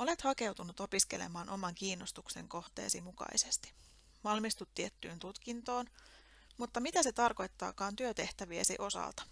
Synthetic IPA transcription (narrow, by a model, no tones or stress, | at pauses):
o̞le̞t̪hɑke̞wt̪unut̪o̞piske̞le̞̰mɑːnʔo̞mɑŋkiːnːo̞st̪ukse̞̰ŋko̞ht̪e̞̰ːsimukɑ̰isest̪i̥ | ʋɑlmist̪ut̪ːiet̪ːyːnt̪ut̪kint̪oːn | mut̪ːɑmit̪æse̞t̪ɑrko̞jt̪ːɑ̰ːkɑːnt̪yøt̪e̞ht̪æʋiḛsḭʔo̞sɑ̰lt̪ɑ̥